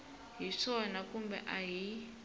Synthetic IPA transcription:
ɦiʂɔnakʼumbɛ̰ʔaɦi

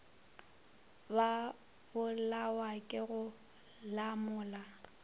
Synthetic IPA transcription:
ba | bʊlawakʼɪɣʊ | lamʊːla

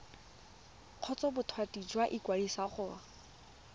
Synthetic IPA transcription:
q͡χʰɔt͡sɔbʊtʰwatʼid͡ʒwaʔikwadisaχʊːa

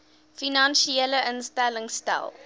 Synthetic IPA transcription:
finɑnʃieləʔənstæləŋstæ̰lˠ

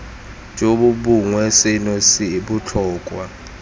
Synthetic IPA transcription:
nd͡ʒʱoɓuɓuŋwesinosiɓut͡ɬʰɔːkʼwa

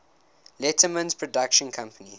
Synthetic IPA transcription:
lɛtʰəmə̃nzpʰɹɔdakʃə̃nkʰãmpʰəni

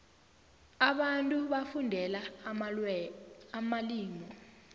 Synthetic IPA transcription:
aɓantʼuɓafundʱɛla | maliːŋɔ

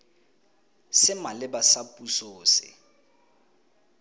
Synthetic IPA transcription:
sɪmalɪbasapʼusoːsɪ̰

